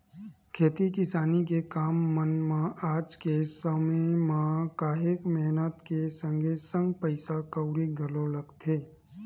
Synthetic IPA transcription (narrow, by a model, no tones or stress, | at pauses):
kʰeːt̪ikɪsaːnik̬ekaːmːənmãʔaːd͡ʒkesəməmãkaːɦekmɛɦnət̪kesə̃ŋɡʱesə̃ŋɡpəɪsakəʊɾiɡʱəloləɡt̪ʰeː